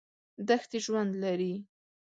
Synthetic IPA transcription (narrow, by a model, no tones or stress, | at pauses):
d̪axt̪iʒwand̪laɾi